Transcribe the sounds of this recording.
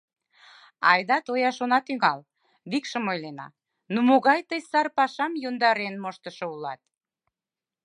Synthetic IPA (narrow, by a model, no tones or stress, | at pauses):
ɑ̰jd̪ɑt̪ojɑʃonɑt̪yŋɑl | βikʃəmojlenɑ̰ | numoɣɑjt̪əjsɑrpɑʃɑmjond̪ɑɾenmoʃt̪əʃoulɑt̪̚